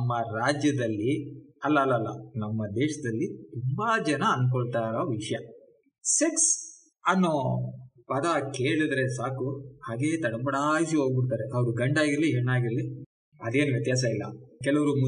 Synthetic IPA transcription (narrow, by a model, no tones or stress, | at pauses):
nɐmːɐɾaːd͡ʒjɐd̪ɐlːiɐlːɐːlːɐːlːɐnɐmːɐd̪ɛːʃɐd̪ɐlːit̪umbaːd͡ʒɐnɐːnk̬ɔɭt̪aːɾɐʋiʂɐjɐ | seks | ɐnːoːpɐd̪ɐkeːɭid̪ɾesaːkuhaːɡe̞ːt̪ɐɽɐpɐɽaːjs̬iɦo̞ːɡ̚biɽt̪aːɾeʔɐʋɐɾuɡɐɳɖaːɡiɾɐliɦɛɳːaːɡiɾɐli | ɐd̪e̞ːnuʋjɛt̪jaːs̬ɐilːɐ̰kɛlɐʋɐɾumu